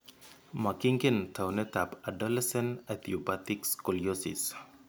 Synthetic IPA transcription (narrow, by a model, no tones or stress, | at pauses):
makiŋɡɛnt̪ʰawnet̪apadɔlɛsɛ̃nat̪ʰiobat̪ikskɔliosḭs